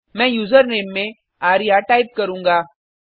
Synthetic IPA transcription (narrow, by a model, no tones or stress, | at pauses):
mɛ̃jud͡zəɾnemːẽ | aɾjaʈajp̚kəɾũːŋɡa